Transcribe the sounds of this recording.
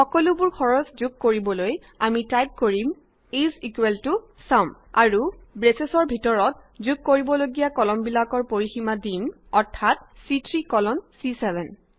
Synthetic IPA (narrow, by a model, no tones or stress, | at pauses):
xɔkɔlʊbʊɹkʰɔɹɔszuɡ̚koɹibɔloj | amitajp̚koɹim | izikweltʊ | saʊ̃m | aɹubɹesesɔɹbʱitɔɹɔt̚ | zuɡ̚koɹibɔloɡijakɔlɔmbilakɔɹpoɹiximadim | ɔɹtʰatsitʰɹikɔlɔnsisɛbʱɛn